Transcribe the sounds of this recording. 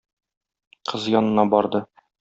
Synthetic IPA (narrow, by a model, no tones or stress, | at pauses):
qʰɤzjɒnɤ̆nɑbɒɾd̪ɤ